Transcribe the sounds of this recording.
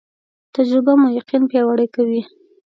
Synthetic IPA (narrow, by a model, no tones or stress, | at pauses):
t̪ad͡ʒɾɪbamʊjaqinpjɑwaɽajkawi